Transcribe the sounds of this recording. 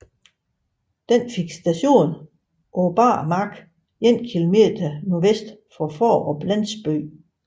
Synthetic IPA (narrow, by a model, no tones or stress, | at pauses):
d̥enfe̝ɡ̥sd̥æɕo̝̰ːn | ob̥ɑ̰̈ːmɑ̈ɡ̥ | jen̰kʰilo̝me̝d̥ɐnuʋesd̥fɒfɒ̰ːɒ̽b̥læn̰sb̥ø̰ː